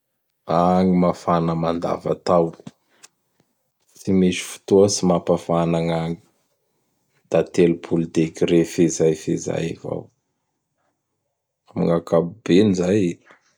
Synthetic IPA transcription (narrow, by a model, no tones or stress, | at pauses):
aŋimafanəmand̪a̰va̰t̪aw | simiʃi̥fu̥t̪oəsimapafanaŋaŋi̥ | d̪̥at̪elupʰulid̪ekiɾefezajfiza̰jiva̰w | amḭŋakabub̥enizaji